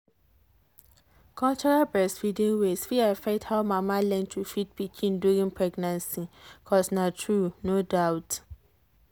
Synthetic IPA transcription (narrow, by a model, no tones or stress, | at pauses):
kʰɔlt͡ʃɔɹalbɛsfidĩnwesfiafɛthaʊmãmãlɛ̃ntʰufit̚pʰit͡ʃʰĩnduɾĩnpʰɹɛɡnãnsikʰɔsnãtʰɹunodaʊt